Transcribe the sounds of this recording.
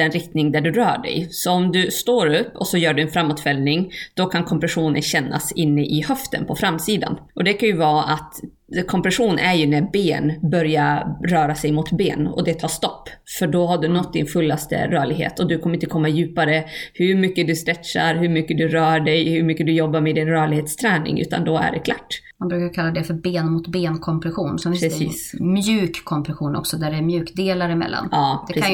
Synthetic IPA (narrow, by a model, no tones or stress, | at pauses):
ɛnɾɪk̚t̪nɪŋd̪æɖɵɾœːɖɛ̰jsɔɔmd̪ɵst̪oːɾɵpːɔ̰sɔjœːɖɵɛnfɾamːʊt̪fɛlnɪŋd̪̥ɔkʰankʰɔmpɾɛɧuːnə̰nɕɛnːa̰sɪnːəʔɪhœft̪ə̰npʰɔfɾamːsiːd̪a̰nʔɔd̪ɛkʰanjɵvɑːat̪ | kʰɔmpɾɛɧuːnʔæɾjɵnæbeːnbœɾjaɾœːɾasɛjmʊt̪beːnɔ̰d̪ɛt̪ʰɑːʂt̪ɔpːfœɖɔhaɖɵnɔt̪̚ːd̪ɪnfɵlːast̪ə̰ɾœːɭɪɡhḛːt̪ɔd̪ɵkʰɔməɾɪnt̪əkʰɔmːajʉ̟ːpaɾəhɵɾmʏkːəd̪ɵst̪ɾɛt̪ʂaɾɦɵɾmʏkːəd̪ɵɾœːɖɛjhɵɾmʏkːəd̪ɵjɔbːaɾmɛd̪ɪnɾœːɭɪɡheːt̪st̪ʰɾɛːnɪ̰ŋʉ̟̰ːt̪a̰nd̪ɔæ̰ɖɛkʰlaʈː | manbɾʉːkaɾkʰalːad̪ɛfœɾbeːnmʊt̪beːnkʰɔmpʰɾɛɧuːnsɔmɪpɾɛḭːsmjʉ̟ːkʰːɔmpɾɛɧuːnɔ̰ksɔd̪æɖɛɾmjʉ̟ːkd̪eːlaɾɪmɛ̰lːa̰nɑːpd̪ɛɾ